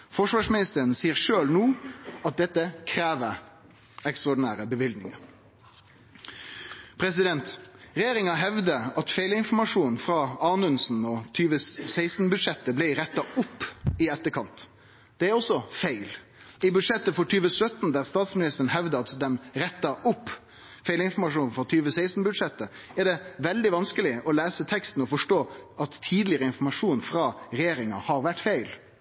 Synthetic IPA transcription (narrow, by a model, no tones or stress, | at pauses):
fɔʂʋɑːʂmɪnɪst̪əɾənsiːəɾʂøːlnuːɑt̪̚d̪ɛt̪ːəkʰɾæːʋə | ɛkst̪ʁɑɔɖɪnæːɾəbəʋɪld̪nɪ̰ŋɑ̰ɾ | pʰɾɛs̬ɪd̪ɛnt̪ɾɛjeːɾɪŋɑɦɛʋd̪əɑt̪fæɪlɪnfɔɾmɑʂuːnfɾɑɑːnʉnsn̩ɔt̪ʰyːʋəsæɪst̪n̩bʉd̪ʂɛt̪ːəblɪɾɛt̪ːɑʊpːɪɛt̪ːəkʰɑnt̪ | d̪̥ɛæɾɔsːɔfeɪl | ɪbʉd̪ʂɛt̪ːəfɔʈʰyːʋəsœt̪nd̪æɾst̪ɑːt̪smɪnɪst̪əɾəɳn̩ɦɛʋd̪əɑt̪d̪ɛmɾɛt̪ːɑʊpː | fæɪlɪnfɔɾmɑʂuːnfɔt̪ʰyːʋəsæɪst̪n̩bʉd̪ʂɛt̪ːə | æʁɖɛʋɛld̪ɪʋɑnskəlɪʔɔlæːsət̪ʰɛkst̪n̩ɔfɔʂʈoːʔɑt̪ʰːiːd̪lɪəɾəɪnfɔmɑʂuːnfɾɑːɾɛjeːɾɪŋɑ̰hɑɾʋæʈːfæɪl